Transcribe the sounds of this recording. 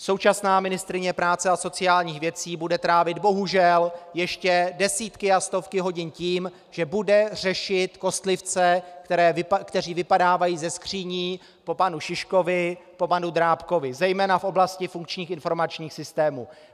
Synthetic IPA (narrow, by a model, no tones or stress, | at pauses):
so̞wt͡ʃasnaːmɪnɪst̪ɾɪɲɛpɾaːt͡sɛaso̞t͡sɪjaːlɲiːxvjɛt͡siːbudɛt̪ɾaːvɪd̪bo̞ɦuʒɛljɛʃcɛdɛsiːt̪kɪast̪o̞fkɪɦo̞ɟɪnciːm | ʒ̥ɛbudɛrɛʃɪt̪ko̞st̪lɪft͡sɛkt̪ɛɾɛːɪkt̪ɛr̝iːvɪpadaːvajiːzɛskr̝̥iːɲiː | po̞panuʃɪʃko̞vɪpo̞panud̪ɾaːpko̞vɪzɛjmɛːnafʔo̞blascɪfuŋk̚t͡ʃɲiːxɪnfo̞ɾmat͡ʃɲiːxsɪst̪ɛːmuː